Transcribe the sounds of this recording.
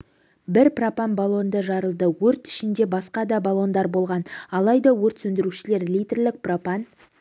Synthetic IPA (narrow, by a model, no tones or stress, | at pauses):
bɪɾpropanbalˠo̞nd̪əʒɑɾəlˠd̪əwɵɾt̪ɪ̥ʃɪnd̪e̞bɑsqɑd̪ɑbalˠo̞nd̪ɑɾbo̞lˠʁɑnɑlˠɑjd̪ɑwɵɾt̪sɵnd̪ɪɾuʃɪle̞ɾlijt̪rlɪk̚propan